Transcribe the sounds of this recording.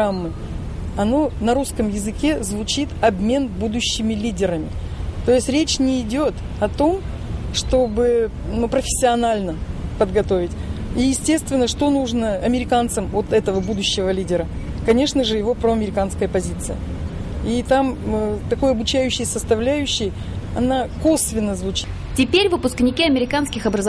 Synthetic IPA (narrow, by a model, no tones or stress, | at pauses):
amːɨ | ɐno̞nɐɾuskəmjɪzɨkʲe̞zvʊt͡ɕit̪ɐbmʲe̞nbud̪ʊɕːɪmʲɪlʲidʲɪɾəmʲɪ | t̪o̞jɪsʲtʲɾʲet͡ɕnʲɪːdʲo̞t̪ | ɐt̪o̞m | ʂt̪o̞bɨ | nupɾəfʲɪ̥sʲːɪɐnalʲnəpəd̪ɡɐt̪o̞vʲɪtʲ | ijɪsʲtʲe̞st̪vʲɪnːəʂt̪o̞nuʐnəɐmʲɪɾʲɪkant̪səmo̞t̪ɛt̪əvəbud̪ʊɕːɪvəlʲidʲɪɾə | kɐnʲe̞ʂnəʐɨjɪvo̞pɾoɐmʲɪɾʲɪkanskəjəpɐzʲit̪sɨjə̰ | it̪amt̪ɐko̞jɐbʊt͡ɕæjʉɕːɪjsəst̪ɐvlʲæjʉɕːɪj | ɐ̰nako̞svʲɪnːəzvʊt͡ɕi̥t | tʲɪpʲeɾʲvɨpʊsknʲɪkʲiɐmʲɪɾʲɪkanskʲɪxɐbɾəz